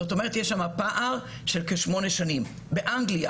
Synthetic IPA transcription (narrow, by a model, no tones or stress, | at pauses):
ot̪o̞meʁ̞et̪jeʃamapaʔaʁ | ʃelkeʃmo̞neʃanim | beʔaŋɡlia